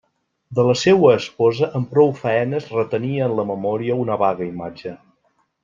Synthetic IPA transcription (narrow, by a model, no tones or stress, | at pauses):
d̪ələsewəːspɔzəʔəmpɾɔwfəɛnəzrət̪əniəːnləməmɔɾiəunəβaɣəimad͡ʒə